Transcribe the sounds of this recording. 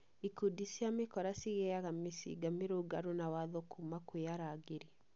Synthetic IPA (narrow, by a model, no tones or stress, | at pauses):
ikudisiamekɔɾasiɣɛaɣamesḭɡameɾoɡaɾonawaðokʰumakweaɾaɡeɾi